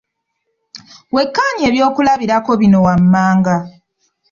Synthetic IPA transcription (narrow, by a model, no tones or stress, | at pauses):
we̞kːaːɲe̞ːβjo̞ːkulaβiɾako̞βino̞wamːaːŋɡa